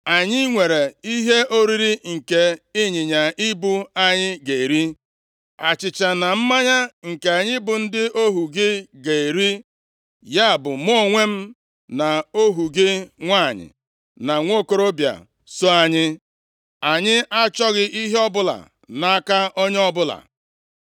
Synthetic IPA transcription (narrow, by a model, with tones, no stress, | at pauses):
a˨ɲɪ˦ŋʷe˨ɾe˨i˦ɦe˦o˦ɾi˦ɾi˦ŋ̩˨ke˨i˦ɲɪ˨ɲa˨ʔi˦bu˦a˦ɲɪ˦ɡe˨e˨ɾi˦ | a˨t͡ʃɪ˨t͡ʃa˨na˨m̩˦ma˦ɲa˦ŋ̩˨ke˨a˨ɲɪ˦bʊ˨n̩˦dɪ˦ʔo˦ɦu˨ɡɪ˦ɡe˨e˨ɾi˦ | ja˦a˨bʊ˨mo˦˨ŋʷe˦m̩˦ | na˨o˦ɦu˨ɡɪ˦ŋʷa˦˨ɲɪ̰˨ | na˨ŋʷo˦ko˦ɾo˦bja̰˨ | so˦a˨ɲɪ˦ | a˨ɲɪ˦ʔa˦t͡ʃɔ˦ɣɪ˦ʔi˦ɦe˦ɔ˦bʊ˦la̰˨ | na˨a˦ka˦ʔɔ˦ɲe˦ɔ˦bʊ˦la̰˨